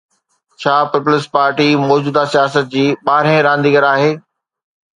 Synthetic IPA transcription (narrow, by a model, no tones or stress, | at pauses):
t͡ɕʰaːpɪpʊlɪspaːɾʈimɔːd͡ʑuːd̪asijaːsət̪̚d͡ʑiːɓaːɾẽɾãːn̆d̪iːɡəɾaːɦeː